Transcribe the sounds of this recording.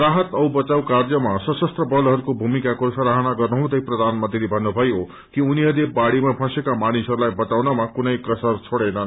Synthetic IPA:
raɦʌt̪ʌwbʌt͡sawkarjʌmasʌsʌst̪rʌbʌlɦʌɾukobʱumikakosʌɾaɦʌnaɡʌrnuɦũd̪ʌjprʌd̪ʱanmʌt̪ilebʱʌnːubʱʌjo | kiuniɦʌɾebaɽimapʰʌ̃sekamanisɦʌɾulajbʌt͡sawnʌmakunʌjkʌsʌrt͡sʰoɽenʌ

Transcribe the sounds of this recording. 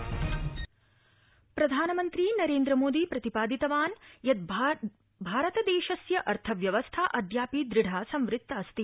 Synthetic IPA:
pɾɐd̪ʱaːnɐmɐnt̪ɾinɐɾeːnd̪ɾɐmoːd̪iːpɾɐt̪ipaːd̪it̪ɐʋaːnjɐt̪̚ | bʱaːɾɐt̪ɐd̪eːʃɐsjɐʔɐɾt̪ʰɐʋjɐʋɐst̪ʰaːʔɐd̪jaːpid̪ɾɪɖ̤ʱaːsɐmʋɾɪk̚t̪ːɐːst̪i

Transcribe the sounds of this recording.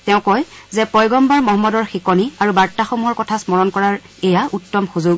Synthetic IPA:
tɛʊ̃kɔjzɛpɔjɡɔmbaɹmɔɦɔmːɔdɔɹxikɔniaɹubaɹtaxomuɦɔɹkɔtʰasmɔɹɔnkɔɹaɹ | ɛjaʔutːɔmxuzuɡ

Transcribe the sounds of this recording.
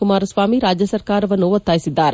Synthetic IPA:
umaːɾɐsʋaːmiɾaːd͡ʒjɐsɐɾkaːɾɐʋɐnːuʋɐt̪ːaːjisid̪ːaːɾe

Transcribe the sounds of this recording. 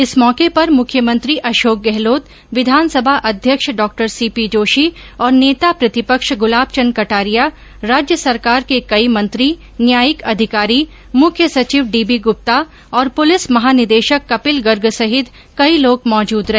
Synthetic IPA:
ɪsmɔːkepɐɾmʊkʰjəmə̃nt̪ɾiʔɐʃoːk̚ɡɛɦloːt̪ | ʋɪd̪ʱaːnsɐbʱaʔɐd̪ʱjəkʃɖɔːk̚ʈəɾsiːpid͡ʒoːʃi | ɔːɾneːt̪apɾɐt̪ɪpəkʃɡʊlaːb̚t͡ʃənkɐʈaːɾija | ɾaːd͡ʒjəsɐɾkaːɾkekɐimɐ̃nt̪ɾi | njaːjɪkɐd̪ʱɪkaːɾi | mʊkʰjəsɐt͡ʃiːʋɖiːbiɡʊp̚t̪a | ɔːɾpʊlɪsmɐɦaːnɪd̪eːʃəkːɐpɪlɡɐɾɡsɐɦɪt̪ | kɐiloːɡmɔːd͡ʒuːd̪ɾɐɦeː

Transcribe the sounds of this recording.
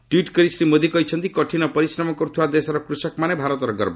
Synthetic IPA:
ʈwiʈkɔɾisɾimod̪ʱikɔɦit͡ʃʰɔnt̪ikɔʈʰinɔpɔɾisɾɔmɔkɔɾut̪ʰibad̪esɔɾɔkɾusɔkmanebʱaɾɔt̪ɔɾɔɡɔɾbɔ

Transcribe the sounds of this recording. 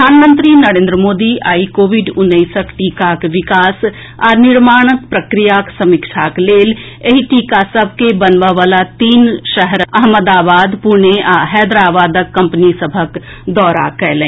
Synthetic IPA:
əaːnmə̃nt̪ɾinɐɾẽːnd̪ɾəmoːd̪ia̰ːikoːʋɪɖʊnːəɪsəkʈiːkakʋɪkaːs | ɔːɾnɪɾmaːɽ̃ək̚pɾəkɾijaksɐmɪkʃʰakleːl | eɦiʈiːkasəb̚ʱkebənʋaʋaːlat̪iːnʃəɦəɾɐɦməd̪aːbaːd̪puɾɳeɦɛːd̪ɾaːʋaːd̪əkːɐ̃mpnisəbʱək | d̪ɔːɾa̰kɛlẽː

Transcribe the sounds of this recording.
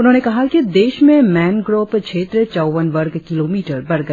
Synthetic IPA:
ʊnɦõːnekɐɦakid̪eːʃmẽmɛːnɡɾoːpkt͡ʃʰeːt̪ɾət͡ʃɐʊʋənʋɐɾɡkɪloːmiːʈəɾbɐɾɡɐe

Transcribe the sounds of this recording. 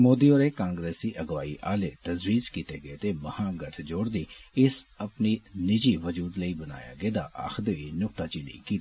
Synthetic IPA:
moːd̪iːoːɾeːkãːŋɡɾeːsiːʔəɡʋa̰ːḭːʔaːleːt̪əzɾiːd͡ʒkiːt̪eːɡəet̪eːməhãːɡəʈʰd͡ʒoːɽd̪iːɪsəpniːnɪd͡ʒiːʋəd͡ʒuːd̪ləiːbəna̰ːja̰ːɡeːd̪a̰ːʔa̰xʰd̪oiːnʊkt̪aːt͡ʃiːlə̰ḭːkiːt̪i̥ː

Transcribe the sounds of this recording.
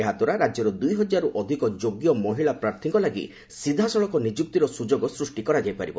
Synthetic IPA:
eɦad̪aɾaɾad͡ʒjɔɾɔd̪ujɦɔd͡ʒaɾuʔɔd̪ʱikɔd͡ʒoɡjɔmɔɦiɭapɾaɾt̪ʰiŋkɔlaɡḭ | sid̪ʱasɔɭɔŋkɔnid͡ʒuk̚t̪iɾɔsud͡ʒoɡɔsɾusʈikɔɾad͡ʒajpaɾibɔ̰

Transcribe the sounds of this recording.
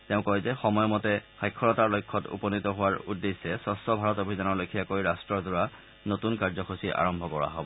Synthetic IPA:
teʊ̃kɔjzɛxɔmɔjɔmɔtɛxajkʰːɔlɔtaɹlojkʰːɔtṵpɔnitɔɦʊwaɹudːesɛsɔstɔbʱaɹɔtobʱidanɔɹlojkʰijakojɹastɹɔɹzʊɹa | notunkaɹzɔxʰosiʔa̰ɹɔmbʱɔkɔɹa̰ɦɔbɔ

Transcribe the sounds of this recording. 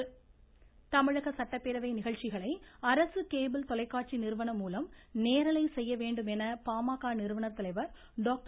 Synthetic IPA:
t̪ɐmɪɻɐɣɐsɐʈːɐpːeːɾɐʋɐɪnɪɣɐɭt͡ʃɪɣɐɭɐɪɐɾɐsɯkeːbɪlt̪ɔlɐɪkːaːʈ̚t͡ʃinɪɾɯʋɐnɐmːuːlɐmneːɾɐlɐɪsɛjːɐʋeːɳɖɯmɛnɐpaːmaːkaːnɪɾɯʋɐɳɐt̪ːɐlɐɪʋɐɾ | ɖoːk̚ʈ

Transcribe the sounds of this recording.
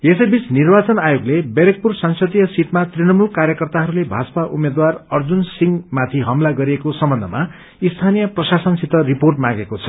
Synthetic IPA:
esʌjbit͡snirbat͡sʌnajoɡlebeɾek̚pursʌŋsʌd̪ijʌsiʈmat̪rinʌmulkaɾjʌkʌrt̪aɦʌɾulebʱasʌ̥paʔumed̪warʌrd͡zunsiŋmat̪ʰiɦʌmlaɡʌɾiekosʌmbʌnd̪ʱʌ̰ma | ist̪ʰanijʌprʌsasʌnsit̪ʌriporʈmãɡekot͡sʰʌ̥

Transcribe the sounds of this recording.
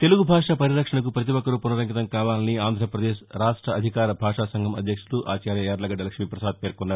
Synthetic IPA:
t̪e̞luɡubʱaːʂapɐɾiɾɐkʂɐɳɐk̬upɾɐt̪̬iʋɐkːɐɾupunɐɾɐŋɡit̪ɐmkaːʋaːlɐniaːnd̪ʱɾɐpɾɐd̪eːʃɾaːʂʈɾɐɐd̪ʱikaːɾɐbʱaːʂaːsɐŋɡʱɐmɐd̪ʱjɐkʂuluʔa̰ːt͡ʃaːɾjɐjaːɾlɐɡɐɖɐlɐkʂmiːpɾɐsaːd̪̚peːɾkunːaːɾu

